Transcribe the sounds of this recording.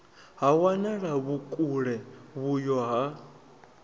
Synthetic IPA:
ɦawanaɺaβukʼuɺɛβujɔɦa

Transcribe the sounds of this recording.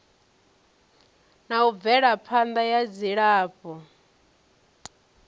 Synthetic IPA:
nauvɛɺapʰand̪ajad͡ziɺaːpɔ

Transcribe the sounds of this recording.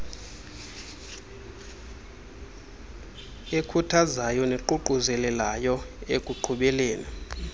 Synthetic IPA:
ekʰutʰazajɔneǃuǃuzɛlɛlajɔekʼuǃʰuɓɛleːni

